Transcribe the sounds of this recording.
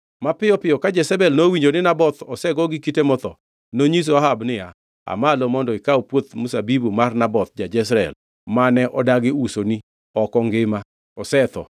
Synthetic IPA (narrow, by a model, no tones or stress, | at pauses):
mapɪjɔpɪɔkad͡ʒɛsɛbɛlnowiɲd͡ʒonɪnabɔt̪ɔsɛɡɔɡɪkitemɔt̪ɔ | noɲis̬oaɦabnɪja | a̰malɔmɔndɔɪkaupwot̪musabibumarnabɔt̪̚d͡ʒad͡ʒɛs̬ɾɛɛ̰l | manɛʔɔdaɡɪusoni | ɔkɔŋɡɪma | ɔsɛt̪ɔ̰